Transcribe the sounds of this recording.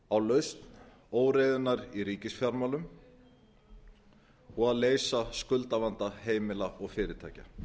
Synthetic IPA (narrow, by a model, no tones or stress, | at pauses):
awlœɥst̪n | oːwɾejðʏnːaɾiɾiːcɪsfjaɾmawlʏm | ɔɣaðleːjsaskʏlt̪avant̪aheːjmɪlaʔɔɣfɪːɾɪt̪ʰa̰ːjca̰